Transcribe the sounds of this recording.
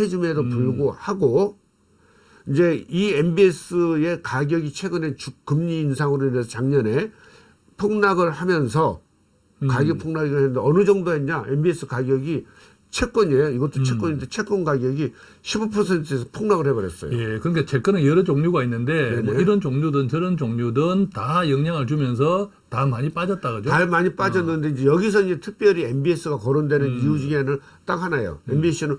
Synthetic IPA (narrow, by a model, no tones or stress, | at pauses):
ed͡ʑime̞dopuɭɡohaɡo | ind͡ʑe̞iembies͈ɯe̞kaɡjʌɡit͡ɕʰe̞ɡɯnet͡ɕukkɯmɲiːnsʰaŋɯɾoinːɯnsʰʌt͡ɕaŋɲʌne̞ | pʰoŋnaɡɯɭhamjʌnsʰʌ | kaɡjʌk̚pʰoŋnaɡiɡahenːɯnd̪eʌnɯd͡ʑʌŋdoɦenɲaʔembies͈ʰɯkaɡjʌɡi | t͡ɕʰe̞k͈ʌɲiejoiɡʌt͈ot͡ɕʰekk͈ʌɲind̪et͡ɕʰek͈ʌnɡaɡjʌɡi | ɕʰibupʰʌsʰe̞ntʰɯes̬ʰʌpʰoŋnaɣɯɭhe̞bʌɾjes͈ʌ̰jo̰jekɯɾʌnɡat͡ɕʰek͈ɯnɯnjʌɾɯd͡ʑoŋɲuɡainːɯnde̞nemeiɾʌnt͡ɕoŋɲudɯnt͡ɕɯɾʌnt͡ɕoŋɲudɯntajʌŋɲaŋɯɭt͡ɕumjʌns̬ʰʌ | tamaɲip͈ad͡ʑʌt̚t͈aɡʌd͡ʑoaɭmaɲip͈aʌnːɯnde̞ind͡ʑe̞jʌɡis̬ʰʌind͡ʑe̞tʰɯk̚p͈jʌɾiembies͈ʰɯɡakʌɾondwe̞nɯnijud͡ʑiɡenɯn | t͈akhanajo̰embisʰinɯn